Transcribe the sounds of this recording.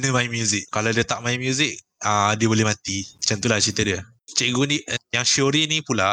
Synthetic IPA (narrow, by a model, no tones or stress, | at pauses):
nəmaimjuzikkaladət̪aʔmaimjuzik̚ | ədiəbolɪhmat̪it͡ʃənt̪ulat͡ʃit̪ədiə | t͡ʃɛʔɡunijaŋʃoɾinipula